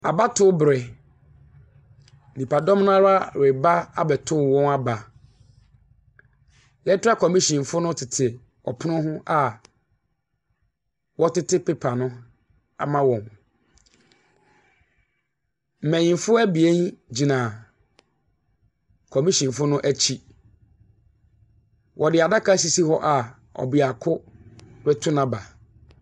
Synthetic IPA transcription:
a̰˨ba˦tʰʊ˦bɾɛ˨ | nĩ˨pʰa˨dɔ̃˦mnʊ̃˦a˦ɾa˦ɾɪ˨ba˦a̰˨bɛ˨tʰʊ˦˨wɔ̃˦na˦ba˨ | jɛ˦tʰʊ˦a˦kʰɔ˨mĩ˦ɕĩ˨m˨fʊ˦nʊ̃˦tʰɪ˨tʰɪ˨ | ɔ̰˨pʰʊ˦nʊ̃˦ɦʊ̃˦ʔa˨ | wɔ˦tɪ˦tɪ˦pʰe˦pʰa˨nʊ̃˦ | a̰˨mã˦wɔ̃˨m | m̩˨mæ̃˨ɲĩ˨nfʊ˦æ˦bi˨e˦n˦d͡ʑi˨nã˨ | kʰɔ˨mĩ˦ɕĩ˨n˨fʊ˦nʊ̃˦ʔæ˦t͡ɕʰi˦ | wʔɔ˨dɪ˨a˨da˦kʰa˦s̬i˦si˦hɔ˦ʔa˨ | ɔ̰˨bɪ˨a˨kʰʊ˦ɾɛ˦tʰʊ˦nã˨ba˨

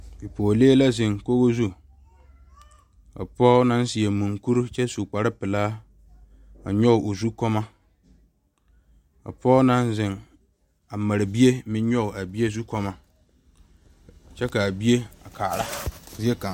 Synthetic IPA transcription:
bi˨pɔː˨leː˦la˦zɪ˨ŋko˦ɣo˦zu˦ | ka̰˨pɔː˦nã˦n˦si˨ɛ˨mũ˨ŋku˦ɾt͡ʃɛ˦su˨k͡pa˨ɾɪ˦pɪ˨laː˦ | a̰˨ɲɔ˦˨ʔo˨zu˦kɔ˦ma˦ | a̰˨pɔː˦na˦nzɪ˨ŋ | a˨ma˨ɾɪ˨bi˦e˦mɪ˦ɲɲɔ˦˨a˨bi˦e˦zu˦kɔ˦ma˦ | t͡ʃɛ˦ka˨a˨bi˦e˦a˨kʰaː˨ɾa˦zi˦e˦ka˨

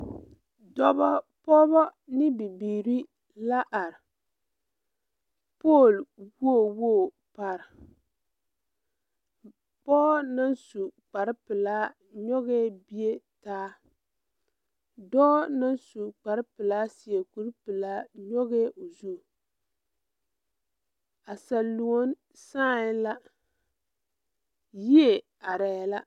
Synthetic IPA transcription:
dɔ˦bɔ˦pɔː˦bɔ˦nɪ˦bi˨biː˨ɾi˦ | la˦ʔa˨ɾɪ˨ | po˦˨lwo˦˨wo˦˨ | pa˨ɾ | pɔː˦na˦nsu˨k͡pa˨ɾɪ˦pɨ˨laː˦ | ɲɔ˦ɣɛː˦bi˦e˦taː˦ | dɔː˦na˦nsu˨k͡pa˨ɾɨ˦pɨ˨la˦si˨e˨ku˨ɾpɨ˨laː˦ɲɔ˦ɣe˦ʔo˨zu˦˨ | a˨sa˨lːu˨o˦n | saː˦˨jla˦ | ji˦e˨ | a˨ɾɛ˨jla˦

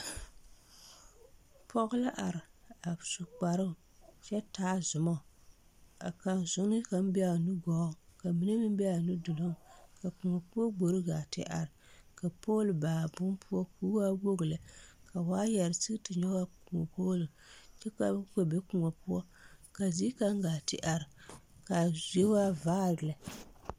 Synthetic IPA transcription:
pʰɔ˦ɣʊ˦la˦ʔa˨ɾɪ˨a˨su˨k͡pa˨ɾɨ˦ʊ˨ | t͡ʃɛ˦taː˦zʊ˨mɔ˦˨ | a̰˨ka˨n˨zʊ˨˦nɨ˦ka˨m˦bɛ˦a˨nu˦ɡɔ˨˦˨ka˨mi˦ne˦mɨ˦m˦bɛ˦a˨nu˦dʊ˨lo˦ŋ˨ka˨ku˨ŋɔ˨pu˦ɔ˦ɡ͡bo˨ɾɨ˦ɡa˨tɪ̰˦ʔa̰˨ɾɪ˨ka˨poː˦lbaː˨bʊ˦mpʰʊ˦ɔ˦ku˦wa˦wo˦ɡɨ˨la˨ka˨waː˦jɛ˨ɾsɨ˦ɡtɨ˨ɲɔ˦wa˦ku˨ŋɔ˨poː˦lɨ˨ | t͡ʃɛ˦ka˨˦ko˨be˦ku˨ŋɔ˨pu˦ɔ˦ | ka˨zi˦ka˦ŋ˦ɡaː˨tɪ˦ʔa˨ɾɨ˨ | ka˨zi˦e˦wa˦vaː˦˨ɾɨ˨la˨

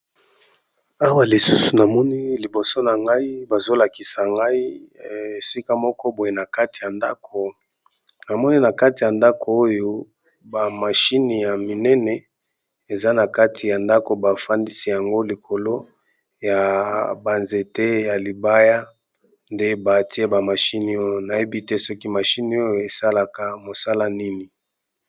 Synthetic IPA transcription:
a˦wa˦˨li˨su˦su˨na˨mɔ˦ni˦li˨bo˨so˦na˨ŋɡa˦i˦ba˨zo˦la˨ki˨sa˨ŋɡa˦i˦e˨si˦ka˦mɔ˦kɔ˦bo˨e˨na˨ka˦ti˨ja˨nda˦ko˨ | na˨mɔ˦ni˦na˨ka˦ti˨ja˨nda˦kʰo˨o˦jo˦ | ba˨ma˨ʃi˦ni˨ja˨mi˨nɛ˦nɛ˨ | e˨za˦na˨ka˦tʰi˨ja˨nda˦ko˨ba˨fa˦ndi˦si˦ja˨ŋɡo˦li˨kʰo˨lo˦ | ja˨ba˨nze˨te˦ja˨li˨ba˦ja˦ | nde˦ba˨ti˦e˦ba˨ma˨ʃi˦ni˨o˦jo˨na˨e˦bi˦te˦sɔ˦ki˦ma˨ʃi˦ni˨˦o˦jo˦˨e˨sa˦la˨ka˨mo˨sa˦la˦ni˦ni˨

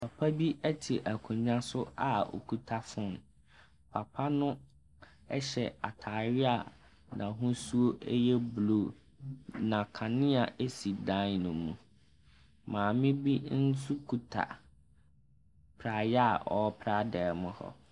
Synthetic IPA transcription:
pʰa˨pʰa˦bi˦ʔɛ˦tʰi˨ʔæ˨kʰũ˨ɲã˦sʊ˦a˨ɔ̰˨kʰu˨tʰa˦fʊ̃˦˨n˨ | pʰa˨pʰa˦nʊ̃˦ | ɛ˦ɕɛ̰˨a˨tʰaː˨ɾɪ˦a˨ | nã˨ɦʊ̃˦su˦o˦ɛ˦jɛ˦blo˨ | nã˨kʰã˨nɪ̃˦a˨ʔe˦si˨dã˦nnʊ̃˨mũ˨ | mãː˨mɪ̃˦bi˦n̩˦su˦kʰu˨tʰa̰˨ | pʰɾa˨jɛ˦a˨ɔ˨˦pʰɾa˦dɛː˨mʊ̃˦hɔ̰˦˨

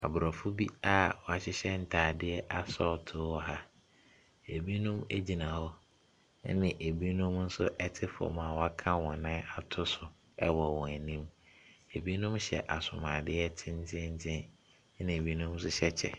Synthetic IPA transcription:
a˨bʊ˨ɾɔ˨fʊ˦bi˦a˦wɔ˨a˨ɕɪ˦ɕɛ˦n̩˦tʰaː˨dɪ˦ɛ˦ʔa˨sɔː˦˨tʰʊː˦wɔ˦ɦa˦ | e˨bi˦nũ˦me˦d͡ʑi˨nã˨hɔ˦ | nɪ̃˨ʔe˨bi˦nũ˦mn̩˦sʊ˦ʔɛ˦tʰɪ˦fɔ̰˨mã˨wɔ˨˦a˦kʰã˦wɔ̃˨nã˦a˨tʰʊ˦sʊ˨ | ɛ˦wɔ˨wɔ̃˨æ˨nĩ˦me˨bi˦nũ˦mɕɛ̰˨ʔa˨sʊ˨mãː˨dɪ˦ɛ˦tʰɪ̃˦n̩˦tʰɪ̃˦n̩˦tʰɪ̃˦n˦ | nɪ̃˨e˨bi˦nũ˦m˦s̬ʊ˦ɕɛ˦t͡ɕʰɛ̰˨

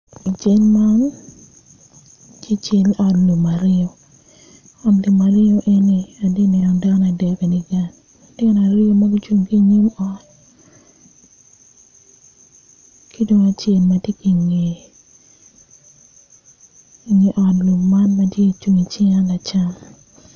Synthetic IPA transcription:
i˨t͡ʃe˦lma˦n | t͡ʃi˦t͡ʃe˦lɔ˨tlu˨ma˨ɾɪ˦o˨ | ɔ˨tlu˨ma˨ɾɪ˦o˦ʔe˦ni˨a˨de˦nɛ˨o˨ŋda˦na˨dɛ˨be˨ni˨ɡa˨n | dɪ˦na˨ɾɪ˦o˦ma˦ɡi˦t͡ʃwu˦ŋki˦ɲi˦mɔ˦t | ki˦do˦ŋa˨t͡ʃe˦lmɐtje˦ki˨ŋe˨ | i˨ŋe˨ʔɔ˨tlu˨mma˦nmɐ˦tje˦˨t͡ʃu˦ŋi˨t͡ʃɪ˦ŋa˦la˨t͡ʃa˦m

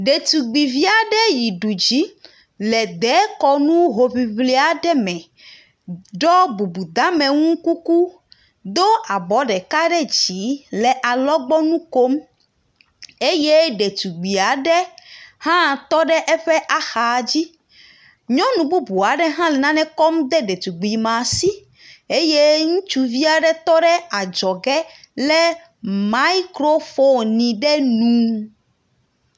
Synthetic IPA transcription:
ɖe˨t̪u˨ɡ͡bi˨vi˦a˨ɖɛ˦ji˨ɖu˨d͡ʑi˨˦ | lɛ˨d̪ɛ˨˦kɔ˦nũ˦ɦo˨vi˨vle˨˦a˨ɖɛ˦mɛ̃˨ | ɖɔ˦bu˨bu˨d̪ã˦mɛ̃˨ŋũ˦ku˦ku˦ | d̪o˦a˨bɔ˨˦ɖɛ˨ka˦ɖɛ˦d͡ʑi˨˦lɛ˨ʔa˨lɔ˦ɡ͡bɔ˦nũ˦ko˦m | e˦je˦ɖe˨t̪u˨ɡ͡bi˨a˨ɖɛ˦hã˦t̪ɔ˦ɖɛ˦ʔɛ˦ɸɛ˦ʔa˦xa˨d͡ʑi˦ | ɲɔ̃˦nũ˨bu˦bu˨a˨ɖɛ˦ɦã˦lɛ˨nã˦nɛ̃˦kɔ˦md̪ɛ˦ɖe˨t̪u˨ɡ͡bi˨mã˨si˦ | e˦je˦ŋũ˦t͡ʃu˦vi˦a˦ɖɛ˦t̪ɔ˦ɖɛ˦a˨d͡ʒɔ˨ɡɛ˦ | lɛ˦ | ma˨˦i˦kɾo˦fo˦nĩ˨ɖɛ˦nũ˨˦

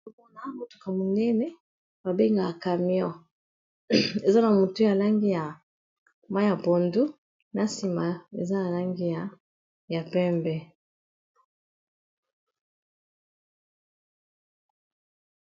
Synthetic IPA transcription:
o˦mo˦na˨˦mo˨tu̥˨ka˨mo˨nɛ˦nɛ˦ | ba˨be˦ŋɡa˨ka˨mjɔ˦ | e˨za˦na˨mo˨tu˦ja˨la˦ŋɡi˦ja˨ | ma˦ja˨bo˨ndu˦ | na˦si˨ma˨ḛ˨za˦na˨la˦ŋɡi˦ja˨ | ja˨pɛ˦mbɛ˦

